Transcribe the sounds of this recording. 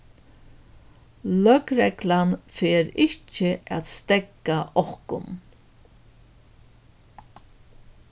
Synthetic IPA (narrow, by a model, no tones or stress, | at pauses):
lœkɾɛklanfeːɾɪht͡ʃɪʔa̰t̪st̪ɛkːaʔɔhkʊ̰n